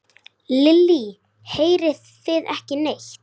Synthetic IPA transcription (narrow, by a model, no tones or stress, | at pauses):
lɪlːi | heːjɾɪðθɪðɛhcɪnejçt̪